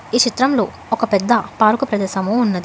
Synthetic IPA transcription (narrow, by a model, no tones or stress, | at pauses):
iːt͡ʃit̪ɾɐmlo̞ː | ɔkɐpɛd̪ːɐpaːɾukɐpɾɐd̪ɛːʃɐmuunːɐd̪i